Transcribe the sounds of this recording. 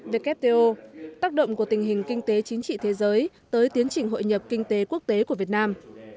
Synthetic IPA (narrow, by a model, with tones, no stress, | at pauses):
ve˧kɛ˦˥p̚t̪e˧ʔo˧t̪aː˦˥k̚ɗə̰˧˨wŋ͡mku˧˩ət̪ï˨˩ŋ̟ɦï˨˩ŋ̟kï˧ŋ̟t̪e˨˦t͡ɕï˨˦ŋ̟t͡ɕḭ˧˨t̪ʰe˨˦zəː˨˦j | t̪əː˨˦jt̪i˨˦ənt͡ɕï˨˩ŋɦo̰˧˨jɲə˨˩p̚kï˧ŋ̟t̪e˨˦ku˦˥ək̚t̪e˨˦ku˧˩vət̚naː˧m